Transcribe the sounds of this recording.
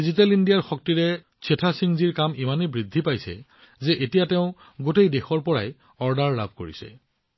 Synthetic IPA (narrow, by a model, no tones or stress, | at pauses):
dizitɛlindijaɹxɔk̚tiɹɛ | sʰetʰasiŋziɹkamimanebɹidʱːipajsɛ̰ | zɛʔetijateʊ̃ | ɡotejdexɔɹpɔɹa̰j | ɔɹdaɹla̰bʱko̰ɹḭsɛ̰